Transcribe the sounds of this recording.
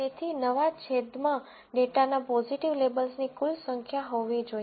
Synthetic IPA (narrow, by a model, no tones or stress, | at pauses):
et̪ʰinəʋat͡ʃʰed̪mã | ɖeʈanapɔziʈiʋlebəlsnikʊlsəŋkʰjaɦoʋid͡ʒoj